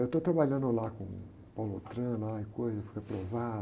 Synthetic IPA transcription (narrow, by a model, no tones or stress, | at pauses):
ewt̪ot̪ɾabaʎɐ̃nd̪ʊlakõ̰ | palot̪ɾɐ̃laɪkojzɐewfi̥kapɾova